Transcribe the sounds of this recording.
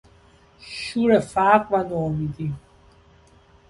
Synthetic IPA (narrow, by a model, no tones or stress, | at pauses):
ʃuɾɛfaːkʼvanuɔmid̪i